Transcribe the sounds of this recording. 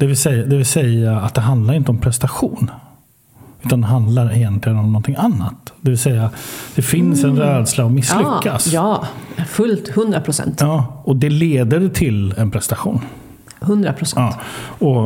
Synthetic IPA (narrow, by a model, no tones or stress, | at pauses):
d̪̥ɛvɪlsɛjad̪ɛvɪlsɛjaat̪̚d̪ɛɦand̪laɾɪnt̪əɔmpʰɾɛst̪aɧuːn | ʉ̟ːt̪and̪ɛɦand̪laɾɛjɛnt̪lɪɡənɔmnɔnt̪ʰɪŋanːa̰t̪d̪ɛvɪlsɛjːad̪̥ɛfɪnsɛnɾɛːd̪slaɔmɪsːlʏkːasjɑːfɵlt̪hɵnd̪ɾapʰɾʊsɛ̰nt̪jɑːɔd̪ɛleːd̪əɾt̪ʰɪlɛnpʰɾɛst̪aɧṵːn | hɵnd̪ɾa̰pʰɾʊsɛɑːɔ